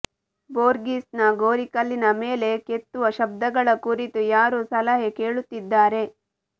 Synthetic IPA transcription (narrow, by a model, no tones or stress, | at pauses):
boːɾɡiːsnɐɡoːɾikɐlːinɐmeːle̞ke̞t̪ːuʋɐʃɐb̚d̪ɐɡɐɭɐkuɾit̪ujaːɾusɐlɐɦeke̞ːɭut̪ːid̪ːaːɾe̞